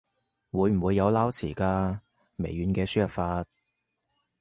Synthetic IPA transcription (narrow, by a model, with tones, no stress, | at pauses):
wuː˨˧jm̩˨˩wuː˨˧jːɐ˨˧wlaː˥wt͡sʰiː˨˩kaː˧ | mḛ˨˩jɥyː˨˧nkɛː˧syː˥jɐ˨p̚faː˧t̚